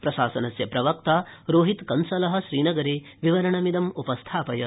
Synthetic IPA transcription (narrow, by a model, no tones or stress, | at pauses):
pɾɐʃaːsɐnɐsjɐpɾɐʋɐkt̪aːɾoːɦit̪kɐnsɐlɐɦɐ̆ʃɾiːnɐɡɐɾeː | ʋiʋɐɾɐɳɐmid̪ɐmupɐst̪ʰaːpɐjɐ